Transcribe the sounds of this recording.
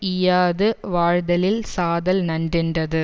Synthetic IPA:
ɪjaːðɯʋaːɻðɐlɪlsaːðɐlnɐndrɪndrɐðɯ

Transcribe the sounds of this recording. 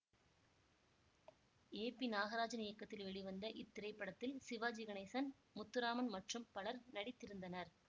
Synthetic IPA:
eːpinaːɣɐɾaːd͡ʒɐnɪjɐkːɐt̪ːɪlʋɛɭɪʋɐnd̪ɐʔɪt̪ːɪɾɐɪpːɐɽɐt̪ːɪlsɪʋaːd͡ʒɪɣɐɳɐɪsɐn | mʊt̪ːɯɾaːmɐnmɐʈrɯmpɐɭɐɾnɐɽɪt̪ːɪɾɯnd̪ɐnɐɾ

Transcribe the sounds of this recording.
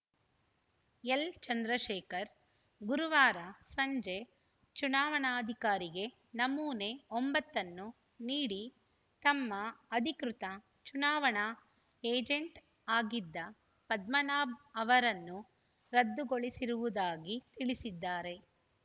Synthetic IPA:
elt͡ʃɐnd̪ɾɐʃɛːkɐɾ | ɡuɾuʋaːɾɐsɐɲd͡ʒe̞ | t͡ʃunaːʋɐɳaːɐd̪ʱikaːɾiɡe̞ | nɐmːuːne̞ombɐt̪ːɐnːu | niːɽi | t̪ɐmːɐɐd̪ʱikɾut̪ɐ | t͡ʃunaːʋɐɳa | eːd͡ʒeɳʈ | aːɡid̪ːɐ | pɐd̪mɐnaːbɐʋɐɾɐnːu | ɾɐd̪ːuɡoɭisiɾuʋud̪aːɡit̪iɭisid̪ːaːɾe̞

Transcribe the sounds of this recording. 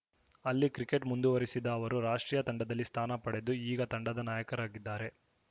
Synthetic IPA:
ɐlːikɾike̞ʈmund̪uʋɐɾisid̪ɐːʋɐɾuɾaːʂʈɾiːjɐt̪ɐɳɖɐd̪ɐlːist̪ʰaːnɐpɐɽe̞d̪uiːɡɐt̪ɐɳɖɐd̪ɐnaːjɐkɐɾaːɡid̪ːaːɾe̞

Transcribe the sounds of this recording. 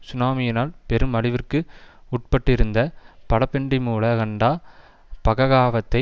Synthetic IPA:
sʊnaːmɪjɪnaːlpɛɾɯmɐɭɪʋɪrkɯʊʈ̚pɐʈːɪɾɯnd̪ɐpɐɽɐpːɛɳɖimuːlɐkɐɳɖaː | pɐɣɐɣaːʋɐt̪ːɐɪ

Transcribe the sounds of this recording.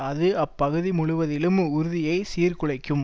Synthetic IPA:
ɐðɯɐpːɐɣɯðimʊɻʊʋɐðɪlɯmʊɾɯðɪjɐɪsiːrkɯɭɐɪkːɯm

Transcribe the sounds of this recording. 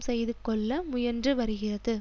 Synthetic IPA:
sɛjðɯkːɔɭːɐmʊjɐɾndrɯʋɐɾɯɣɪrɐðɯ

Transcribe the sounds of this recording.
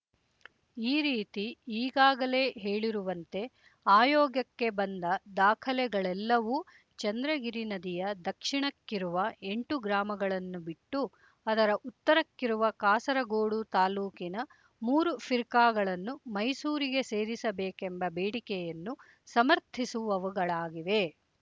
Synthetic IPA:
iːɾiːt̪iiːɡaːɡɐle̞ːɦeːɭiɾuʋɐnt̪e̞ | aːjɔːɡjɐkːe̞bɐnd̪ɐd̪aːkʰɐlɛɡɐɭɛlːɐʋu | t͡ʃɐnd̪ɾɐɡiɾinɐd̪ijɐd̪ɐkʂiɳɐkːiɾuʋɐe̞ɳʈuɡɾaːmɐɡɐɭɐnːubiʈːu | ɐd̪ɐɾɐʔut̪ːɐɾɐkːiɾuʋɐkaːsɐɾɐɡoːɽut̪aːluːkinɐ | muːɾufiɾkaːɡɐɭɐnːumɐjsuːɾiɡe̞se̞ːɾisɐbeːkembɐbeːɽikɛjɐnːu | sɐmɐɾt̪ʰisuʋɐʋɐɡɐɭaːɡiʋe̞

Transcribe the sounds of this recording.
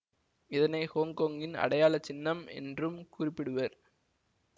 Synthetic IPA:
ɪðɐnɐɪhoːŋkoːŋɡɪnɐ̰ɽɐjaːlɐt͡ʃːɪnːɐmɛ̰ndrɯmkʊrɪpːɪɽɯʋɐɾ

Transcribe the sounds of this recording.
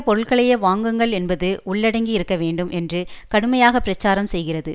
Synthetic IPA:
pɔɾɯɭɣɐɭɐjɐʋaːŋɡɯŋɡɐɭɛnbɐðɯʔʊɭːɐɽɐŋɡiɪɾɯkːɐʋeːɳɖɯmʔɛndrɯkɐɽɯmɐjaːɣɐpːɪɾɐt͡ʃːaːɾɐmsɛjɣɪrɐðɯ

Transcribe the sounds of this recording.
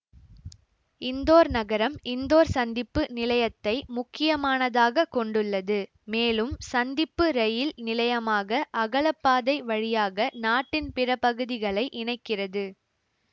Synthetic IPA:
ɪnd̪oːɾnɐɣɐɾɐmɪnd̪oːɾsɐnd̪ɪpːɯnɪlɐjɐt̪ːɐɪmʊkːɪjɐmaːnɐðaːɣɐkɔɳɖɯɭːɐðɯ | meːlɯmsɐnd̪ɪpːɯɾɛjɪlnɪlɐjɐmaːɣɐʔɐɣɐɭɐpːaːðɐɪʋɐɻɪjaːɣɐnaːʈːɪnpɪɾɐpɐɣɯðɪɣɐɭɐɪʔɪɳɐɪkːɪrɐðɯ

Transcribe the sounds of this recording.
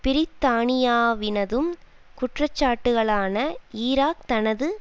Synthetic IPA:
pɪɾɪt̪ːaːɳɪjaːʋɪnɐðɯm | kʊʈrɐt͡ʃːaːʈːɯɣɐɭaːnɐiːɾaːk̚t̪ɐnɐðɯ

